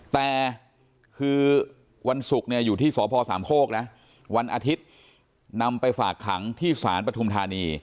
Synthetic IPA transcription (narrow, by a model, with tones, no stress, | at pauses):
t̪ɛː˨˩ | kʰɯː˧ | wa˧nsu˨˩k̚ni˥˩ɐjuː˨˩iː˥˩sɔː˩˦pʰɔː˧saː˩˦mkʰoː˥˩k̚nɛ˦˥ʔ | wa˧nʔa˧t̪ʰi˦˥t̪̚ | na˧mpa˧jfaː˨˩kʰːa˩˦ŋt̪ʰiː˥˩saː˩˦npɾa˧t̪ʰu˧mt̪ʰaː˧niː˧